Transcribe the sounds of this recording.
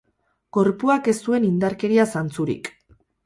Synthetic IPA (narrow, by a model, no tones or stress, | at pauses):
ɡ̥o̞ɾpuake̞st̪ue̞nind̪aɾke̞ɾiasant͡suɾḭk